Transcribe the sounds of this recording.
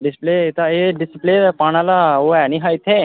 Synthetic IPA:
ɖɪspleːt̪aeɖɪsɪpleːpaːnalaoɛːnĩːɦaːɪt̪ʰːeː

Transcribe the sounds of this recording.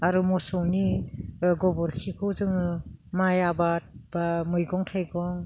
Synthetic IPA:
aɾumɔsɔwni | ɡɔbɔɾkʰikʰɔwzɯŋɯmajabat̚b̥amɯjɡɔŋtʰajɡɔŋ

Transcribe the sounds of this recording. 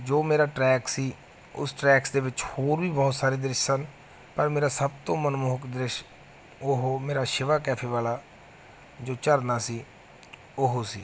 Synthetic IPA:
d͡ʒoːmeːɾaːʈɾɛːksiː | ʊ̰sʈɾɛːksd̪eːʋɪt͡ʃhoːɾʋiːbɔːʊt̪saːɾeːd̪ɾɪʃsən | pəɾmeːɾaːsəbt̪õːmənmoːkd̪ɾɪʃ | ʊɦomeːɾaːʃɪʋaːkɛːpʰeːʋaːlaː | d͡ʒoːt͡ʃəɾnaːsiː | ʊɦosḭː

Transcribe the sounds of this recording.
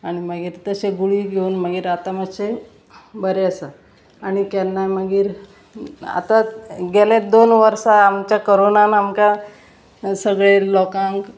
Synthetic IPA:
aɽ̃iməɡiːɾt̪əseɡuɭiːɡʱeuːnməɡiːɾat̪aməɕe | bəɾeəsa | aɽ̃ikanːaməɡiːɾ | a̰t̪aɡɛled̪onʋəɾsaːmt͡ɕjakoɾonanamka | səɡɭelɔkãŋk

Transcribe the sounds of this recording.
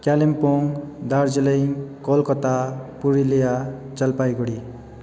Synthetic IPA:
kalempoŋd̪aɾd͡zelʌjkɔlkʌt̪apuɾilejat͡sʌlpajɡoɽi

